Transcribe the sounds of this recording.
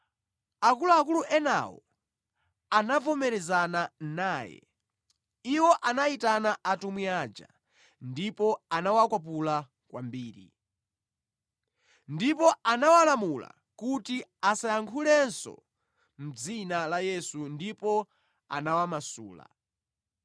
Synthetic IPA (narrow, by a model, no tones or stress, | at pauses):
akuluak̬uluʔɛna̰wɔ̰ | anavɔmɛɾɛzananaːjɛ̰ | iwɔʔanaitanaʔatumiaːd͡ʒa̰ | ndipɔanawakwap̬ula | kwa̰mbiːɾḭ | ndipɔanawalamula̰ | kutiasajaŋkʰulɛnsɔ̰ | m̩d͡zinalajɛsundipɔ | a̰nawamasṵːla̰